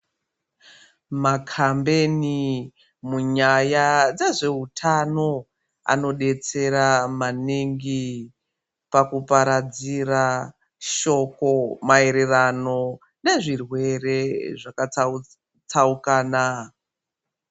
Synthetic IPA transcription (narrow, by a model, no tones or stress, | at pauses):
makʰambe̞ni | muɲajad͡zaʐe̞utʰano̞ | a̰no̞ɗe̞t͡se̞ɾamaniŋɡi | pakupaɾad͡ziɾa | ʃo̞ko̞mae̞ɾe̞rano̞ | neʐirwe̞re̞ʐaka | t͡saukaːna